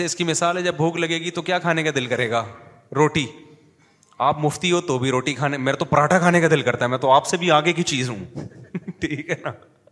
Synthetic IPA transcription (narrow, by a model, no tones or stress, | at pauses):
eɪskimɪsaːlɦɛd͡ʒɐbbʱuːklɐɡeːɡit̪okjaːkʰaːnekad̪ɪlkɐɾeːɡaː | ɾoːʈi | aːpmʊft̪iɦot̪obʱiɾoːʈikʰaːnemeːɾet̪opɐɾaːʈʰakʰaːnekad̪ɪlkɐɾt̪aɦɛmɛ̃ːt̪oaːpsebʱiaːɡek̬it͡ʃiːzɦũ | ʈʰiːkɦɛːnaː